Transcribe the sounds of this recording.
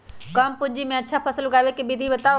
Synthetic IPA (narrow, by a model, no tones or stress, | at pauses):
kəmpʊd͡ʒimẽətːʃʰapʰəsələɡaːʋekebid̪ʱibət̪a